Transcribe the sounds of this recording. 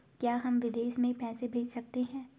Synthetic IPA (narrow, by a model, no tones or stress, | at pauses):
kjaːɦɐmʋɪd̪eːʃmẽpɛːsebʱeːd͡ʒsɐk̚t̪eɦɛ̃ː